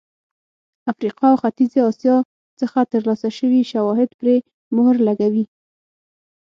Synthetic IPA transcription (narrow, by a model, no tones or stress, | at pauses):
afɾiqɑawxat̪izeɑsjɑ | t͡səxat̪əɾlɑsaʃəwiʃawɑɦɪd̪pɾe | mʊhɾlaɡawi